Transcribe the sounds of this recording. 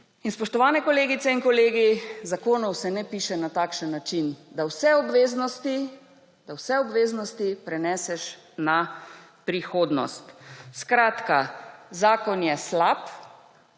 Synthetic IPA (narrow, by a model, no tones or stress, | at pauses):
inspɔʃt̪ɔʋaːnɛkɔleːɡit̪sɛinkɔleːɡizakoːnɔwsɛnɛpiːʃɛnat̪aːkʃənːat͡ʃind̪awsɛɔbʋeːznɔst̪i | d̪̥awsɛɔbʋeːznɔst̪ipɾɛnɛːsɛʃ | na | pɾixoːd̪nɔ̰st̪skɾaːt̪kazaːkɔnjɛslap